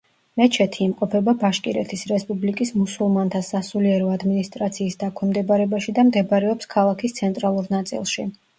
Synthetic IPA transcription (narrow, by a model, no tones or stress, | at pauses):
mɛt͡ʃʰɛt̪ʰiːmqʼɔpʰɛbabaʃkʼiɾɛt̪ʰisɾɛspʼublikʼismusulˠmant̪ʰasasuliɛɾɔad̪minist̪ʼɾat̪sʰiːsd̪akʰwɛmd̪ɛbaɾɛbaʃid̪amd̪ɛbɾɛɔpskʰalˠakʰist̪sʰɛnt̪ʼɾalˠuɾnat̪sʼḭlˠʃi